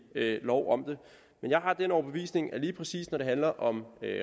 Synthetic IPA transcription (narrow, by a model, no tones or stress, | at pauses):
lɒʊ̰ʔɒ̽md̥e̝ | menjɑ̈ɪɦɑ̈d̥enɒʊb̥e̝ʋḭːsne̝ŋæliːpʰʁɛsḭːsnɒɾ̥e̝ɦænlɐʔɒ̽mø